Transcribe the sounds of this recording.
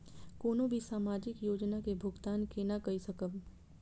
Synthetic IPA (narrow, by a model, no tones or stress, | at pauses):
koːnõbʱisaːmaːd͡ʒɪkjoːd͡ʒnakebʱʊɡt̪aːnkenakɐisɐkəb